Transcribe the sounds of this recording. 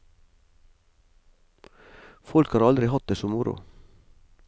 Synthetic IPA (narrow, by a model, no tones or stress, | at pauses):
fɔlkhɑːɾɑld̪ɾɪhɑt̪̚d̪eːsɔmʊɾʊ̰